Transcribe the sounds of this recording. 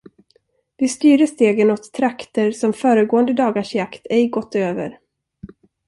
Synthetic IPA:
vɪst̪yːɾəʂt̪eːɡənɔt̪ʰːɾakt̪əɾsɔmfœːɾəɡoːənd̪əd̪ɑːɡaʂjakt̪ʰɛɪɡɔt̪ːøːvə̰ɾ

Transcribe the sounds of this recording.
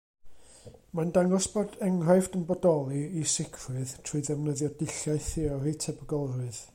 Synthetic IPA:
mandaŋɔsb̥odɛŋrajfdənbɔdɔlˠiisɪkʰrɨðtʰruɨðɛvnəðjɔdɪɬaɨθɪɔɾitʰɛbəɡɔlˠrʊɨð

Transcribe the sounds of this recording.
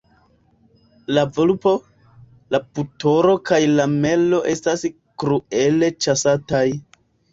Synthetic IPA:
lavolupo̞ | laputo̞ɾo̞kajlame̞lo̞ʔe̞stas | kɾue̞le̞t͡ʃasataj

